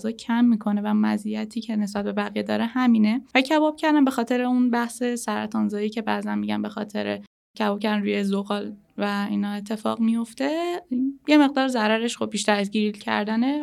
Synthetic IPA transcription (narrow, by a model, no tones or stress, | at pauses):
zɒːcʰæmːiːkʰo̞ne̞væmæ̰zijæt̪ʰiːcʰe̞ne̞sbæt̪̚be̞bæɣijed̪ɒ̰ːɾehæmiːne̞vælicʰævɒːb̥cʰæɾd̪ænbe̞xɒːt̪ʰe̞ɾeunbæhse̞sæɾæ̰t̪ʰɒːnzɒːiːcʰe̞bæzænmiɟæ̰mbe̞xɒ̰ːt̪ʰe̞̰ɾḛ | cʰævɒːb̚cʰæɾd̪ænɾuːjezoɣɒːl | væiːnɒːe̞t̪ʰːe̞fɒ̰ːɣmijo̞ft̪e̞ | je̞me̞ɣd̪ɒːɾzæɾæɾeʃxob̚biːʃd̪æzɟiɾlcʰæ̰ɾd̪æne